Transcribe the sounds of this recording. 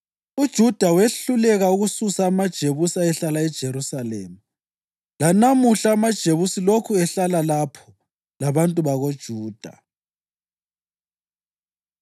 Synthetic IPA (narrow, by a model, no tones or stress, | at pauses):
ud̥ʒ̥ʱud̥ʱaweɬulɛɣauɣususaːmad̥ʒ̥ʱeβusaɛɬalaɛd̥ʒ̥ʱeɾusalḛːmu | lanamuɬaːmad̥ʒ̥ʱeβusilokʰuɛɬalalapʰɔ̥ | laβantʼuβaɣod̥ʒ̥ʱuːd̥ʱa̰